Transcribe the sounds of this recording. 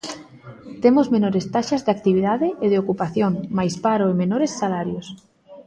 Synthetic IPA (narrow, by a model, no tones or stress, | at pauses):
t̪emozmenoɾest̪aʃazðak̚t̪iβ̞iðaðeʔeð̞eokupaθjoŋmajspaɾoemenoɾesːalaɾjos